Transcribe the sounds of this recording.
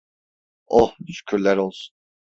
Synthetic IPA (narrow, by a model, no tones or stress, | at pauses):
oʃy̥cʲʰyɾlʲæɾo̞lˠsu̥n